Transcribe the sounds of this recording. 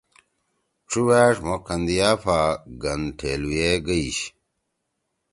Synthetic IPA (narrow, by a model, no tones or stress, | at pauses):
ʈ͡ʂuwaːʂmokɐnd̪ijaːfaɡɐnʈʰeːlujeɡəiɕ